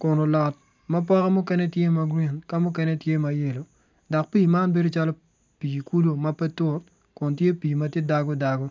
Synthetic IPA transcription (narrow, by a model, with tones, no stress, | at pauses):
kɔ˨no˨lɔ˨t̚ | ma˦p̬ɔ˦ka˦mʊ˦kɛ˦nɛ˦tje˦ma˨ɡɾi˦nka˦mʊ˦k̬ɛ˦nɛ˦tje˦ma˨je˨lo˨ | dɔ˨k̚pi˦˨ma˦nbe˦do˦t͡ʃa˦lɔ˦ | pi˨ku˦lo˦ma˦pɛ˦tʊ˦t | kʊ˨ntje˦pi˨ma˦tje˦da˦ɡo˦da˨ɡo˦